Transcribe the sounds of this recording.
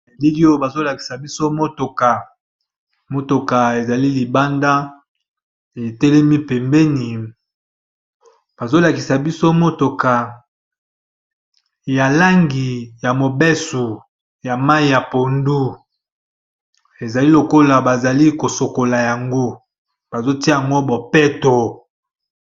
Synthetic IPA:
e˨li˦li˦o˦ba˨zo˦la˨ki̥˨sa˨bi˦so˦mo˦to˨ka˨ | mo˦to˨ka˨e˨za˨li˦li˨ba˦nda˦ | e˨tɛ˦lɛ˦mi˦pe˨mbɛ˦ni˨ | b̥a˨zo˦la˨ki˨sa˨bi˦so˦mo˦to˨ka˨ | ja˨la˦ŋɡi˨ja˨mo˨bɛ˦su˨ | ja˨ma˦i˨˦ja˨po˨ndu˦ | e˨za˨li˦lo˨ko˦la˨ba˨za˨li˦ko˨so˨ko˨la˨ja˨ŋɡo˦ | b̥a˨zo˦ti˦˨a˨ŋɡo˦bo˨pɛ˦to˨

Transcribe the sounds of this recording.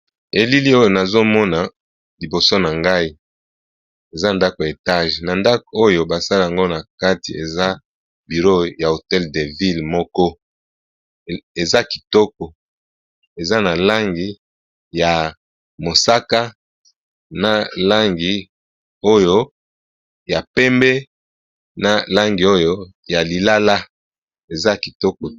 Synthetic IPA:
e˨li˦li˦o˦jo˨na˨zo˦mɔ˦na˨ | li˨bo˨so˦na˨ŋɡa˦i˦ | e˨za˦nda˦ko˨e˨ta˦ʒna˨nda˦ko˨o˦jo˨ba˨sa˦la˨ja˨ŋɡo˦na˨ka˦tḭ˨e˨za˦ | bi˨ʁo˦ja˨o˨tɛ˦lde˨vi˦lmɔ˦kɔ˦ | e˨za˦ki̥˨tɔ˦k̚ɔ˨ | e˨za˦na˨la˦ŋɡi˨ | ja˨ | mo˨sa˦ka˦ | na˨la˦ŋɡi˨ | o˦jo˦ | ja˨pɛ˦mbɛ˦ | na˨la˦ŋɡi˨o˦jo˦ | ja˨li˨la˦la˦ | e˨za˦ki˨tɔ˦kɔ˨

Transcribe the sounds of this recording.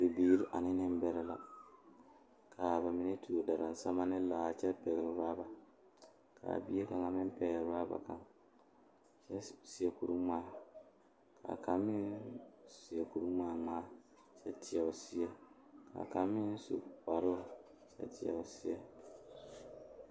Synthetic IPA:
di˨biː˨˦ɾi˦ʔa˨nɪ˦nɪ˦m˦bɛ˦ɾɛ˦la̰˨ | kʰa˨ba˨mɪ˨ne˦tʰu˨o˨da˨ɾa˨n˨sa˦ma˦nɪ˦laː˨t͡ʃɛ˦pɛ˨ɣɪ˨˦ɾaː˦ba˨ | kʰa̰˨bi˦e˦ka˨ŋa˦mɪ˦mpɛ˨ɣɾaː˦ba̰˨ka˦ŋ | t͡ʃɛ˦si˨jɛ˨ku˨ɾu˦maː˨˦˨ | kʰa̰˨ka˨mːɪ˦nsi˨ɛ˨ku˨ɾu˦maː˨ŋaː˦ | t͡ʃɛ˦tʰɪ˨ɛ˨ʊ˨si˦ɛ˦ | ka̰˨ka˨mːɪ˦nsṵ˨k͡pa˨ɾo˦˨ | t͡ʃɛ̰˦tʰɪ˨a̰˨ʊ˨si˦ɛ˦

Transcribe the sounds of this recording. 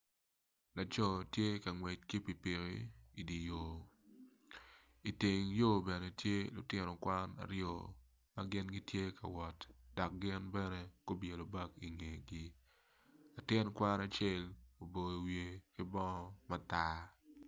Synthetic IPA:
la˨t͡ʃɔ˦tje˦ka˨ŋwɛ˨t͡ʃ̚ki˦pi˨pi˨ɾḭ˨i˨di˨jo˨ | i˨ti˨ŋjo˦bɛ˨ne˨tje˦lʊ̰˨tɪ˦nɔ˨kwa˦na̰˨ɾjo̰˨ | ma˦ɡɪ˦nɡi˦tje˦ka̰˨wɔ˨td̥ɔ˨k̚ɡɪ˦nbɛ˦nɛ˦ko˦bje˨lo˨ba˦ki˨ŋe˨ɡi˦ | la˨tɪ˦nkwa˦na˨t͡ʃe˦˨lo˨bo˨i˨wje˨kɪ˦bɔ˦ŋɔ˦ma˦ta˦

